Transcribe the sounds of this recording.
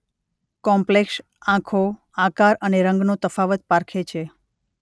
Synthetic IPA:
kɔmpleks | ãkʰo | ãkaɾəneɾəŋɡnot̪əfaʋət̪̚paɾkʰet͡ʃʰe

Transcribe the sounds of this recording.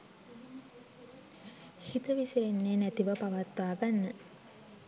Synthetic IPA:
hit̪əʋiseɾenːeːnæt̪iʋəpaʋat̪ʋaːɡanːə

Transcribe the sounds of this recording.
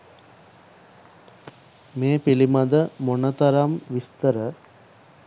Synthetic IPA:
meːpilimad̪əmonət̪ɐɾamʋist̪əɾə

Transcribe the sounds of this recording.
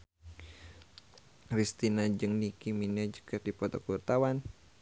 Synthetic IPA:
rist̪inad͡ʒɨŋnikiminad͡ʒə̥kat̪̚dipɔt̪ɔkurt̪awan

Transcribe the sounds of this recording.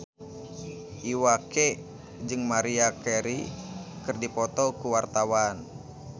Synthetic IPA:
ʔiwake | d͡ʒɨŋmaɾiakɛɾikɨrdipɔt̪ɔkuwart̪awan

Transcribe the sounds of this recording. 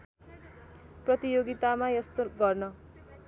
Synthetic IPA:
prʌt̪ijoɡit̪amajʌst̪oɡʌrnʌ

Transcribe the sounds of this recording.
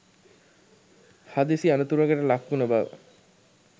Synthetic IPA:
had̪isianət̪uɾaɡəʈəlakːunəbaʋ̰

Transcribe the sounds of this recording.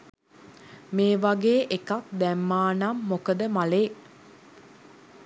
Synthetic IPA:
meːʋaɡeːʔekak̚d̪æmːaːnamːokəd̪əmaleː

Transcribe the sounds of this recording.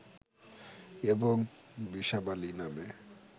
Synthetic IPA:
eboŋbiʃabaliname

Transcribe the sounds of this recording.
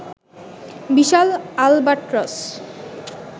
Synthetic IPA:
biʃalalbaʈɾos

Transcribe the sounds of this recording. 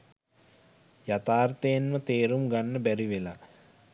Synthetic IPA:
jat̪aːrt̪əjenmət̪eːɾumɡanːəbæɾiʋela

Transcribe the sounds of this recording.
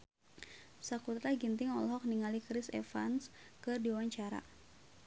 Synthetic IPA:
sakut̪ɾaɡint̪ɪŋɔ̰lɦɔk̚niŋalikɾɪsɛ̰fa̰nskɨrdiwaɲt͡ʃaɾa̰

